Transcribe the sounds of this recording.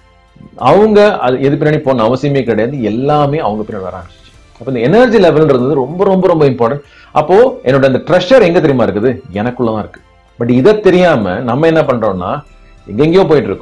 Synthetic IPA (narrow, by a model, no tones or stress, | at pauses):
ɐʋɐŋɡɐʔɐðɯɛðɯp̬ɪnːaːɳipoːnːɐɐʋɐsɐjɐmeːkɪɽɐjaːðɯɛlːaːmeːɐʋɐŋɡɐpɪnːɐɳʋɐ̰ɾã̰ːŋɡɐːɯ̥ | ɐpːoːɪnd̪ɐɛnɐɾd͡ʒilɛʋɛlnɪɾɯnd̪ɐðɯɾɔmbɐɾɔmbɐɾɔmbɐɪmpaːɾʈɐ̃ɳʈ | ɐpːoːɛnːoɽɐnd̪ɐʈɾɐst͡ʃɐɾɛŋɡɐt̪ɛɾɪmaːɪɾɯkːɯðɯɛnɐkːɯɭːɐðãːɪɾɯkːɯ̥ | bɐʈ̬ːɪðɐt̪ɛɾɪjaːmɐ̰nɐmːɐɛnːɐpɐɳɾoːnːa̰ː | ɛŋɡɐɪŋɡɐjõːp̬oːjɪʈːɪɾɯkːʊ̃